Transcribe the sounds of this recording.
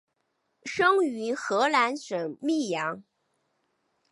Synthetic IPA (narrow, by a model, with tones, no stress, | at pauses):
ʂɤ˥ŋy˧˥xɤ˧˥la˧˥nʂə˨˩ŋmi˥˩jɑ˧˥ŋ